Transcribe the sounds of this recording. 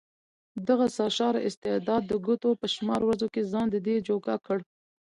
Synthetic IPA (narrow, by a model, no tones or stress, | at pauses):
d̪aɣasɑʃɑɾaʔɪst̪ɪd̪ɑd̪ːəɡʊt̪opəʃmɑɾwɾazokezɑnd̪əd̪ed͡ʒoɡɑkəɽ